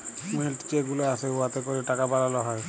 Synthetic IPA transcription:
milʈkeɡuleasɛuwat̪ɛkoɹiʈakapalalɔɦɔj

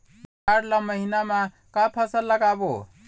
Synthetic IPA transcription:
aɾlaməɦinama | kapʰəsəlːəɡabo

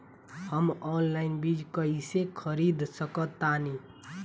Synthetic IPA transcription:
həmɔːnlaɪnbid͡ʒkəisekʰəɾid̪səkət̪ːani

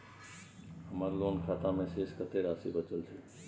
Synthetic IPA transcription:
ɦəməɾloːnkʰaːt̪amẽseːskət̪ʰeɾaːsibət͡ʃəlt̪ʰiː

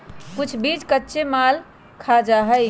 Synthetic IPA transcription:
kut͡ʃʰbid͡ʒkətːʃemal | kʰad͡ʒaɦəj

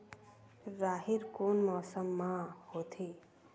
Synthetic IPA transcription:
ɾaːɦiɾkonmɔːsəmːãhot̪ʰe

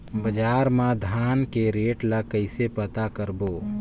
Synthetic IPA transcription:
bəd͡ʒaːɾmãd̪ʱaːnkeɾeːʈlakəɪsepət̪akəɾboː

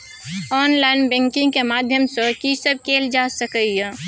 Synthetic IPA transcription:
ɔːnlaɪnbɛ̃ːŋkɪ̃ŋɡkemaːd̪ʱjəmsəkisəb̚keːld͡ʒaːsəkəiɛ

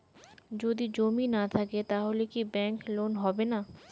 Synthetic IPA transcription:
d͡ʒoːd̪id͡ʒoːminat̪ʰɐket̪aɦoːlekibɛ̃ːŋkloːnɦoːbena

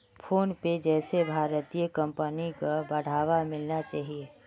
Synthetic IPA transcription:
pʰoːnped͡ʒɛːsebʱaːɾət̪ijəkə̃mpənikabɐɽ̤aːʋamɪlnat͡ʃaːɦie

